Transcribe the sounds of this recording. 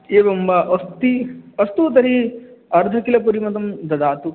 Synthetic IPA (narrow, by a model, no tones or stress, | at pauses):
eːʋɐmbɐʔɐst̪iɐst̪ut̪ɐɾiɐɾd̪ʱɐkilɐp̬uɾimɐt̪̬ɐmd̪ɐd̪aːt̪u